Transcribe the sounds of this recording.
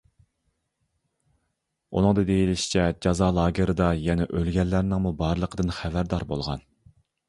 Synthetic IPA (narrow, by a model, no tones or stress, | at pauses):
ṵnɨŋd̪ɨd̪ejilɪʃi̥t͡ʃʰɛd͡ʒɑzɑːlˠɑːɡʲeɾɨd̪ɑjɛnɛʔølɡʲɛlːæɾnɪŋmubɑɾlˠəqʰəd̪ɨnχævæɾd̪ɑɾbo̰lˠʁɑ̰n